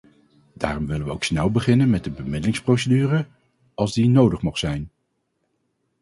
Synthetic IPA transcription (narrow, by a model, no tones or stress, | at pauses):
da̰ːrɔmʋɪləʋəowksnɛwbəχɪnənmɛd̚dəbəmɪdəlɪŋsprowsədyːrə | ɑlˠzdinowdəχmɔχtsɛjn